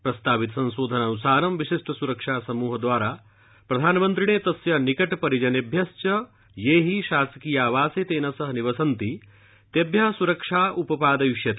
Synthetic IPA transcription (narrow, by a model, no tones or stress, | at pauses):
pɾɐst̪aːʋit̪sɐ̃nʃoːd̪ʱɐnaːnusaːɾɐmʋiʃiʂʈɐsuɾɐkʂaːsɐmuːɦɐd̪ʋaːɾaː | pɾɐd̪ʱaːnɐmɐnt̪ɾiɳeːt̪ɐsjɐnikɐʈpɐɾid͡ʒɐnebʱjɐst͡ʃɐ | jeːɦiʃaːsɐ̥kiːjaːʋaːseːt̪eːnɐsɐɦɐniʋɐsɐnt̪i | t̪ebʱjɐɦsuɾɐkʂaːʔupɐpaːd̪ɐjuʂjɐt̪ː